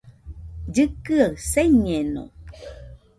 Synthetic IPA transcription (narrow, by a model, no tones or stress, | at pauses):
d͡ʑɨkɨaseɲeno̰